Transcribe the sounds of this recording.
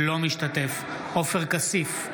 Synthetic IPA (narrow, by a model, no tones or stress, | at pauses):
lo̞miʃt̪at̪e̞f | o̞feʁkasif